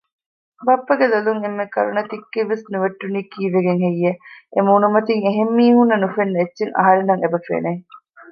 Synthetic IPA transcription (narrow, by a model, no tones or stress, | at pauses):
bɐpːɐɡelɐluŋemːekɐɾunɐt̪ikːeʋːesnuʋɐʈːuniːkiːʋeɡeŋɦejːeemuːnumɐt̪iŋeɦemːiːhunːɐnufenːetːʃeŋɐ̰ɦɐɾenɐŋebɐfḛːne